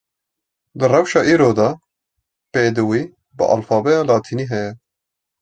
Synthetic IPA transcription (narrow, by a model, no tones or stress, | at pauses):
d̪ɨrɛwʃɑːʔiːɾoːd̪ɑː | peːd̪ɨwiː | bɨ̰ʔɑ̰lfɑːbɛjɑːlɑːt̪ʰiːniːɦɛjɛ